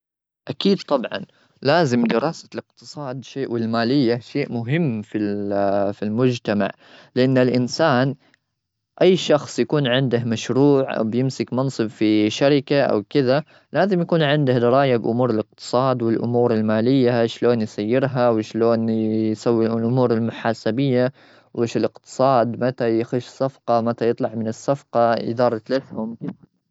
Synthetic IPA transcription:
ʔakiːd̪̚t̪ˤɑbʕɑ̰n | laːzɪmd̪ɪɾɑːsḁlɪqt̪ɨ̥sˤɑːd̪ʃeːʔwɪlmaːlɪjːaʃeːʔmʊɦɪmːfilfilmʊd͡ʒt̪ama̰ʕ | lɪʔanːɪlʔɪnsaːn | ʔajːʃɑxsˤjakuːnʕɪnd̪ahmaʃɾuːʕʔa̰wbjɪmsɪkmɑnsˤɨbfiʃaɾɪkaʔa̰wkɪða | laːzɪmjakuːnʕɪnd̪ahd̪ɑɾˤɑːjabʔʊmuːɾɪlɪq̚t̪ɨ̥sˤɑːd̪wɪlʔʊ̰muːɾɪlmaːlɪjːaʃloːnjsajːɪɾɦawɪʃloːnjsawːilʔɪlʔʊmuːɾɪlmʊħaːsabɪjːa | wʔeːʃɪlɪqt̪ɨ̥sˤɑːd̪mat̪ajaxɪʃsafqɑmat̪ajɨt̪ˤlɑʕmɪnɪsːafqɑɪ̰d̪ɑːɾˤt̪laθhʊmkɪ

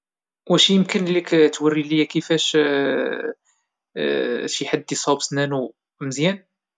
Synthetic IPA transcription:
wæʃijəmkənlikt̪wərːiləjækəfæʃ | ʃjħad̪ːisˤɑbsnænu | məzjæn

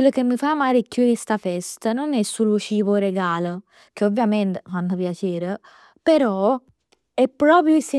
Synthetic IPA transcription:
elːokemːifamːaːɾekjuest̪afɛst̪ənonɛsːulot͡ʃiːvoɾeɡaːlə | k̟eovːjament̪efant̪opjat͡ʃeːɾe | peɾɔ | ɛpːɾɔːpɾjoise

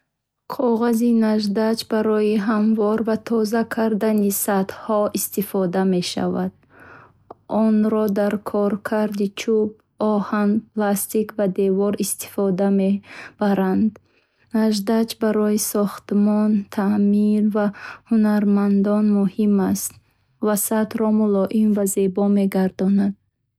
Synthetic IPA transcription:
qʰɔʁazinaʒd̪at͡ʃbaɾɔiɦamvɔɾvat̪ʰɔzakʰaɾd̪anisat̪hɔist̪ifɔd̪ame̞ʃa̰vad̪̥̚ | ʔɔnɾɔd̪aɾkʰɔɾkʰaɾd̪it͡ʃʰub̚ | ɔhanplast̪ikvad̪evɔɾist̪i̥fɔd̪ameb̥aɾand̪ | naʒd̪at͡ʃbaɾɔisɔχt̪mɔnt̪ʰamiɾvahunaɾmand̪ɔnmuhimast̪ | vasat̪ɾɔmulɔʔimvaze̞bɔme̞ɡaɾd̪ɔnad̪̥̚

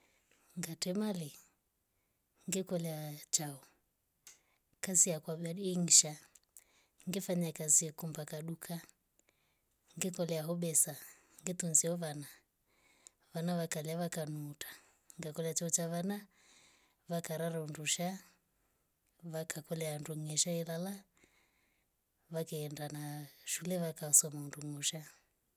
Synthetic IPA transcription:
ŋɡatɛmalɛ | ŋɡɛkɔlɛat͡ʃaɔ | kazijakwaɓaɗiːŋ̩ʃa | ŋɡɛfaɲakaziɛkumbakaɗukʰa | ŋɡɛkɔlɛaɦɔɓɛsa | ŋɡɛt̪unziɔβana | βanaβakalɛaβakanuːtʰḁ | ŋɡakɔlɛat͡ʃɔɔt͡ʃaβana | βakaɾaɾaunduʃa | βakakɔlɛanduŋɛʃaɛlala | βakaɛndanaʃulɛβakasɔmaunduŋuʃa

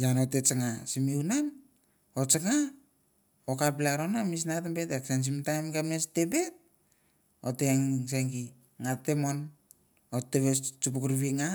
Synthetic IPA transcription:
janotet͡ʃaŋasimiunan | ot͡ʃaŋa | okaplaɾonamis̬natmbe̞teksans̬imtajmɡameste̞be̞t̚ | oteŋs̬aŋɡi | ŋatemon | oteβet͡ʃupukɾβiŋa

